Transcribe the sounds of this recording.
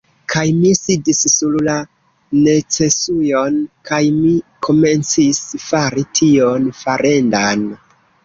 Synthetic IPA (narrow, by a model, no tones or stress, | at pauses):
kajmisidisːulla | ne̞t͡se̞sujo̞nkajmikʰo̞me̞nt͡sisfaɾitʰio̞nfaɾʔe̞ndan